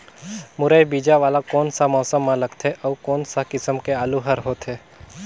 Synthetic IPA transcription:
mʊɾəjbiːd͡ʒaʋaːlakɔːnsamɔːsəmːãlɐɡt̪ʰɛʔɔːkɔːnsakɪsəmkeaːluɦəɾɦoːt̪ɦeː

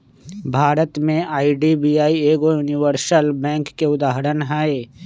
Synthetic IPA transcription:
bʱaːɾət̪mẽʔaːiɖibiːaːieːɡojʊnɪʋəɾsəlbɛ̃ːŋkːeʊd̪aːɦəɾənɦɛe

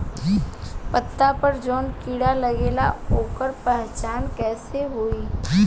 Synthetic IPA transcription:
pət̪ːapəɾd͡ʒɔːnkiːɽaləɡeːlaoːkəɾpɛɦt͡ʃaːnkɛːseɦoːiː

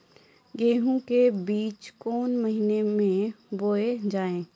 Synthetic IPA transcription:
ɡeːɦũkebiːt͡ʃkɔːnməɦinemẽboːed͡ʒaːẽː

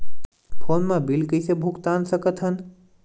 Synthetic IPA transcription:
pʰoːnmãbilkəjsebʱukt̪aːnsəkət̪ʰɦən

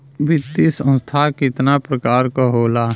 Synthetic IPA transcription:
ʋɪt̪ːisə̃nst̪ʰakɪt̪napɾəkaːɾkoɦoːlaː

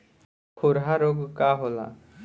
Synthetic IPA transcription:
kʰoɾɦaɾoɡkaɦola̰

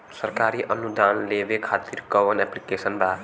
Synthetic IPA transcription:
səɾkaːɾiʔənud̪aːnlebekʰat̪iɾkəʋənɛplikesənba

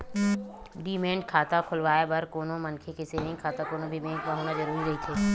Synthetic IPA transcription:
ɖiːmẽːɳɖ̚kʰaːt̪akʰʊlʋaːebɐɾkoːnõmɐnkʰekeseːnɪ̃ŋɡkʰaːt̪akoːnõbʱimẽːŋɡkaɦoːnad͡ʒɐɾuːɾiɾɐɦit̪ʰeː

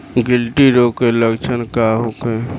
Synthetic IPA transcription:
ɡɪlʈiɾokeləɡt͡ʃʰənkaɦoke

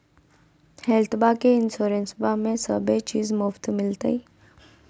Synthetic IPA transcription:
hɛlt̪bakeɪnsoːɾẽnsbamẽsəbʱet͡ʃiːzmʊft̪mɪlt̪a̰iː

